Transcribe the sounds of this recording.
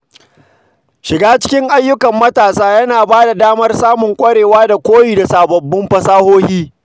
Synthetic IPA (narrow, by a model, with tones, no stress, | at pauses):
ʃɪ˨ɡaː˦t͡ʃɪ̥˦kʲɪ˦ŋʔa˦jːʊ˦kɐ˨mːɐ˦taː˨saː˦jɐ˦naː˨baː˦da˨daː˦mɐ˦rsaː˦mʊ˨ŋkʷʼɐ˦ɽeː˨waː˦da˨kʷoː˦jiː˦˨da˨saː˨bɐ˨bːɪ˦mɸɐ˨saː˦hoː˦hiː˦